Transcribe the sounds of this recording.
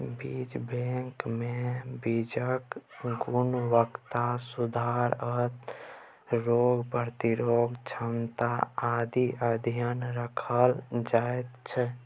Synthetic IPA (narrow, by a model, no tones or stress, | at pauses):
bid͡ʒbẽŋkmebid͡ʒəkɡunʋəkt̪asud̪ʱaɾət̪ | ɾoɡpəɾt̪iɾoɡt͡ʃʰəmt̪aad̪iʔəd̪ʱijənɾəkʰəld͡ʒaet̪t͡ʃʰɛ